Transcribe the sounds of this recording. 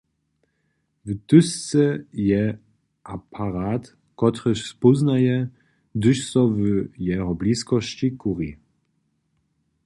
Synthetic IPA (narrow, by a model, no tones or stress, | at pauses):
vt̪ʏst̪sɛjɛ | ʔapʰaɾat̪ | kɔt̪ɾəɕspɔznajɛ | d̪ɨʃsɔvjɛɦɔblʲiskɔɕt͡ɕikuʁi